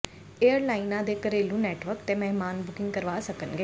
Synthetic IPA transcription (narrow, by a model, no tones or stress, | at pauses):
eːəɾlaːinãːd̪eːkəɾeːlũːnɛːʈʋəɾkt̪eːmɛɦmaːnbʊkɪ̃ŋɡ̚kəɾʋaːsəkənɡeː